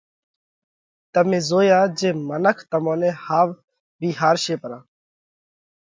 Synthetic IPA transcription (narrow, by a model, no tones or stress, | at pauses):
t̪əmẽːzoːjaːd͡ʒeːmənəkʰt̪əmõːnẽːhaːʋ | biːɦaːɾʃeːpəɾaː